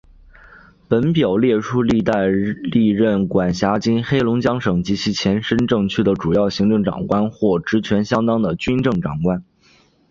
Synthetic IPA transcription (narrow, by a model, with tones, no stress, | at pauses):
pə˧˥npjo˨˩ʊljɛ˥˩ʈ͡ʂʰu˥li˥˧t̪a˥˧ɪli˥˧ɻə˥˩nkwa˨˩nɕja˧˥t͡ɕi˥nxe˥ɪlʊ˧˥ŋt͡ɕjɑ˥ŋʂɤ˨˩ŋt͡ɕi˧˥t͡ɕʰi˧˥t͡ɕʰjɛ˧˥nʂə˥nʈ͡ʂɤ˥˧˩ŋt͡ɕʰy˥d̪ə˨ʈ͡ʂu˨˩jɑ˥˩ʊɕi˧˥ŋʈ͡ʂɤ˥˩ŋʈ͡ʂɑ̰˨˩ŋkwa˥nxwɔ˥˩ʈ͡ʂɻ̩˧˥t͡ɕʰɥɛ˧˥nɕjɑ˥ŋt̪ɑ˥ŋd̪ə˨t͡ɕy˥nʈ͡ʂɤ˥˩ŋʈ͡ʂɑ˨˩ŋkwa˥n